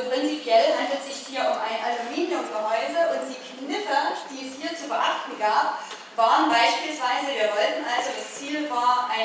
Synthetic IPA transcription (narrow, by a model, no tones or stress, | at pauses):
pʁ̥ɪnt͡sipjɛlɦandl̩tz̥ɪçhiːɐʊmaɪnʔalumiːnjʊmɡəɦɔʏzɐʔʊnt̚d̥iːknɪfəd̥iːɛshiːɐt͡subəʔaχtn̩ɡaːp | v̥aːʁənbaɪʃpiːlsv̥aɪzəviːɐvɔltn̩ʔalzodast͡siːlvaːɐʔaɪ